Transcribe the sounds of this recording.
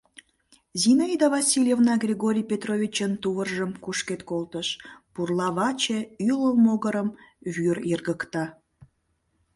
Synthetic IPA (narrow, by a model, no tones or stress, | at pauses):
zʲinaid̪ɑvɑsʲilʲjevnɑɡrʲeɣoɾʲijpʲet̪rovʲit͡ɕənt̪uβərʒəmkuʃket̪kolt̪əʃpurlɑβɑt͡ɕeyləlmoɣəɾəmβyrirɣəkt̪ɑ